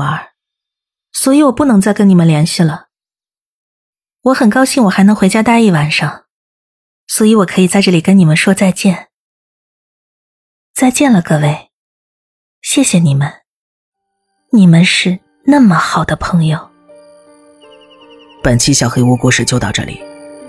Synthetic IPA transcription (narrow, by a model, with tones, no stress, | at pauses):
ə˧˥ | swɔ˧˥i˧˥˦wɔ˨˩pu˥˩nɤ˧˥ŋt͡sa˥˩ɪkə˥ni˨˩mə˦nljɛ˧˥nɕi˥˩lə˩ | wɔ˧˥xə˨˩nkɑ˥ʊɕi˥˩ŋwɔ˨˩xa˧˥ɪnɤ˧˥ŋxwe˧˥ɪt͡ɕja˥t̪a˥˧i˥˩wa˨˩nʂɑ˥˩ŋ | swɔ˧˥i˧˥wɔ˨˩kʰɤ˧˥i˨˩t͡sa˥˧ʈ͡ʂɤ˥˩li˨˩kə˥ni˨˩mə˦nʂwɔ˥t͡sa˥˧ɪt͡ɕjɛ˥˩n | t͡sa˥˧ɪt͡ɕjɛ˥˩nlə˩kɤ˥˧we˥˩ɪ | ɕjɛ˥˩ɕjɛ˨˩ni˨˩mə˦n | ni˨˩mə˦nʂɻ̩˥˧ | na˥˩mə˩xɑ˨˩ʊd̪ə˦pʰɤ˧˥ŋjo˨˧ʊ | pə˨˩nt͡ɕʰi˥ɕjɑ˨˩ʊxe˥ɪu˥˧kwɔ˥˧ʂɻ̩˥˩t͡ɕjo˥˧ʊt̪ɑ˥˧ʊʈ͡ʂɤ̰˥˩lḭ˨˩˦